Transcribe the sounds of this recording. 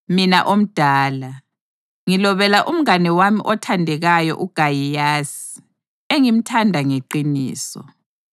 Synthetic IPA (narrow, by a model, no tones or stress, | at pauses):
minaʔom̩d̥ʱaːla | ŋilɔβɛlaʔum̩anɛwamiʔɔtʰandʱɛɣajɔ̰ʔuɡ̥ʱajijaːsi̥ | eŋim̩tʰandʱaŋeǃinḭːsɔ̰